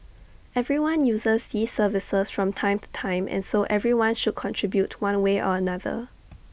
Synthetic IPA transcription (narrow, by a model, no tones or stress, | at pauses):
ʔɛvɹiwãnjuːzəzdiːsːəvɪsəsfɹɔ̃mtʰãɪ̃mtu̥tʰãɪ̃mʔɛ̰̃nsoʔɛvɹiwãnʃud̚kʰɔ̃ntʰɹ̥ibjutʰwãnweʔɔ̰ənaðə̰